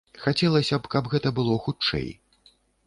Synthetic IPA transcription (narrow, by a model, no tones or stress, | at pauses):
xat͡sʲɛlˠɐsʲɐpkɐbɣɛt̪ɐbɨlˠɔxut͡ʂɛ̰j